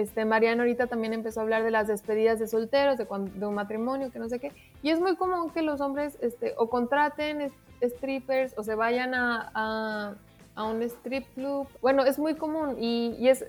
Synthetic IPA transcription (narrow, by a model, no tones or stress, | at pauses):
e̞st̪e̞maɾjanaoɾit̪at̪ambje̞ne̞mpeso̞aβlaɾð̞e̞lazðe̞spe̞ð̞iðazðe̞so̞lt̪e̞ɾo̞zðe̞kwad̪eunmat̪ɾimõ̞njo̞keno̞s̬e̞ke̞ | ie̞zmujko̞mũŋke̞lo̞s̬o̞mbɾe̞se̞st̪eʔo̞ko̞nt̪ɾat̪e̞nes | est̪ɾipe̞ɾso̞s̬e̞βaʝanaː | aune̞st̪ɾip̚kluβbwe̞no̞e̞zmujko̞mũniːe̞s